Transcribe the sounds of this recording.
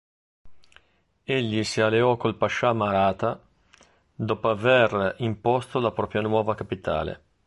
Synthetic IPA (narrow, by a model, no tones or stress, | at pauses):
eʎːisialeɔkolpaʃːamaɾaːt̪a | d̪ɔːpoaverimpost̪olapɾɔːpɾjanwɔːvakapit̪a̰ːlḛ